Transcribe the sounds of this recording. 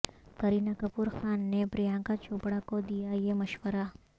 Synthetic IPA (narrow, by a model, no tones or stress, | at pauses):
kɐɾinakɐpuɾxaːnːepɾijãːŋkat͡ʃʰoːpɽakod̪ijajemɐʃʋəɾa